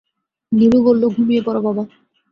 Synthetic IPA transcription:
niɾubollːoɡʱumiepɔɾobʱaba

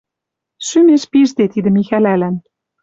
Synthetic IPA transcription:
ʃymeʃpiʒd̪et̪id̪ə̆mixælælæn

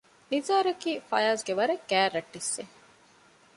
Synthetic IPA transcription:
nizaːɾɐkiːfɐ̰jaːsɡeʋɐɾɐkːæːrːɐʈːisːe

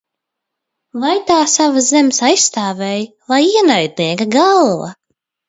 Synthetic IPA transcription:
vajt̪aːsavazemsajsst̪aːvɛj | vajiɛnajd̪̚niɛkɐɡalˠva̰

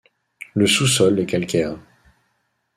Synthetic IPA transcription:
ləsusɔlɛkɛlkʲɛːʁ

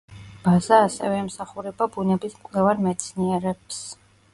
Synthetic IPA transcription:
b̥azaːsɛ̰vɛːmsaχuɾɛbabunɛbismkʼlɛvaɾmɛt̪sʰniɛɾɛps

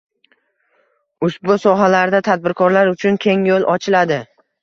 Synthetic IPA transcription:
ʊʃbʊsɒɦalaɾd̪at̪ʰad̪̚bɪɾkʰɒɾlaɾʊt͡ʃʰʊnkʲʰe̞ŋjolˠɒt͡ʃʰɪlad̪ɪ

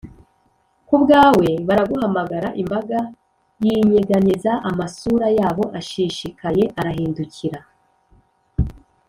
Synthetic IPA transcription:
kubɡaːwe̞βaɾaɡuɦamaɡaɾaʔimbaɡa | jiɲiɡanizaʔamasuɾajaːβo̞ʔaʃiʃikaje̞ʔaɾaɦiːnduciɾa

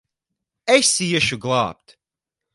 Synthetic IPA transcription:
ɛsijɛʃuɡlˠa̰ːp̚t̪

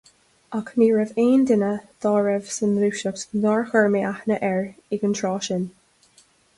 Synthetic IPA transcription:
akʰmiːɹəveːnd̪ɪnəd̪̥ɔːɹɛvsənɾuːʃəktnɔɹxəɹmiʔaxnəʔɛɹɪɡənt̪ʰɹɔːʃɪn

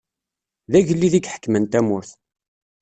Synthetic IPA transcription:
ðæʝəlːiðiɡħə̥kːmənt̪æmʊɾθ

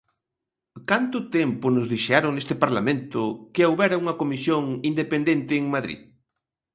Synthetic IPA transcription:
kant̪ʊt̪empʊnʊzðiʃɛɾʊŋnest̪ɪpaɾlamẽnt̪ʊkɪawβɛɾɐuŋɐkomisjoŋind̪epend̪ent̪ɪːŋmaðɾḭð

